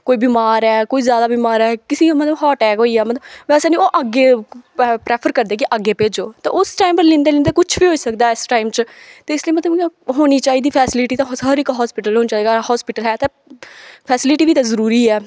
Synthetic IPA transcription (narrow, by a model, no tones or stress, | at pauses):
koːiːbiːmaːɾɛːkoːiːzjaːd̪aːbiːmaːɾɛːkɪsĩːamət̪ləbɦɔːʈɛːkɦoːiːɛːmət̪ləbʋɛːseːnĩːoːʔəɡeː | pɾeːpʰəɾkəɾd̪eːk̬ɪʔəɡːeːpeːd͡ʒoːt̪eːʊsʈaːɪmpəɾlɪ̃nd̪eːlɪ̃ːnd̪eːkʊt͡ʃʰʋiːɦoːiːsəkd̪aːɪsʈaːɪmt͡ʃt̪eːɪsliiːmət̪ləbɦoːñiːt͡ʃaːiːd̪iːpʰɛːsɪlɪʈiːt̪ãsəɾɪkɦɔːspɪʈəlɦoːniːt͡ʃaːiːɡahɔːspɪʈəlɛːt̪eː | pʰɛːsɪlɪʈiːʋiːt̪ãːzəɾuːɾiːɛː